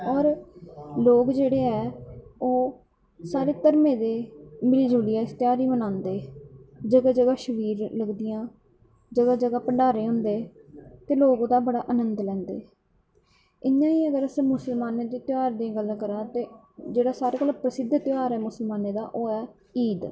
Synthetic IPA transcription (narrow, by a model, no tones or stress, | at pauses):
ɔːɾ | loːkd͡ʒeːɽeːɛːoː | saːɾeːk̪əɾmẽːd̪eːmɪliːd͡ʒuːlijãːɪst̪ɪjaːɾiːmənãːnd̪eːd͡ʒəɡaːd͡ʒəɡaːʃəʋiːɾləɡd̪ɪjãː | d͡ʒəɡaːd͡ʒəɡaːpəɳɖaːɾeːɦʊ̃nd̪eːt̪eːloːɡod̪aːbəɽaːʔənənd̪lɛ̃ːnd̪ḛː | ɪnːãːiːəɡəɾəsĩːmʊsəlmaːneːd̪eːt̪ɪjaːɾd̪ẽɡəlkəɾãːt̪eː | d͡ʒeːɽaːsaːɾeːkəlapɾəsɪd̪ʱt̪ɪjaːɾɛːmʊsəlmaːneːd̪a̰ːʔoːɛː | iːd̪